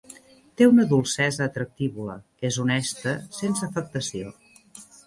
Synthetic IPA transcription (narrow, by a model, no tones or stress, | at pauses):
t̪eunəðulˠsɛzəːt̪ɾək̚t̪iβulə̰ | ezunɛst̪əsensəːfək̚t̪əsio̰